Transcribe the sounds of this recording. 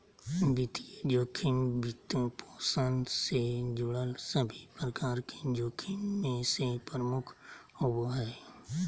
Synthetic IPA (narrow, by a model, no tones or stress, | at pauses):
bɪt̪id͡ʒoːkʰɪmbɪt̪õpʰoːsənsed͡ʒʊɽəlsəbʱipɾəkaːɾked͡ʒoːkʰimmẽsepɾəmʊkʰ | ʊbɦɛː